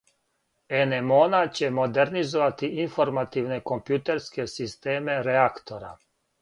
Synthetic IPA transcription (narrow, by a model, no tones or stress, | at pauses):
enemonat͡ɕemod̪ɛɾnizoʋat̪iinfoɾmat̪iʋnekompjut̪ɛɾskesist̪eːmeɾɛakt̪oɾa̰